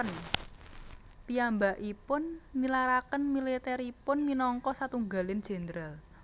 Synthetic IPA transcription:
n | piambaʔipʊnːilaɾakənmilit̪ɛɾipʊnminɔŋkɔsat̪uŋɡalɪnd̥ʒ̥ɛ̤nd̪ɾal

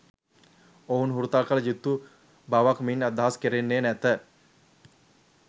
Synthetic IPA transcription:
ounɦuɾut̪alkələd͡ʒut̪ːu | baʋakminad̪ːaɦaskeɾenːeːnæt̪ə

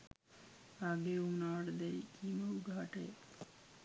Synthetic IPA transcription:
aɡeunaːɽəd̪ɛikiːməuɡʱaːʈe

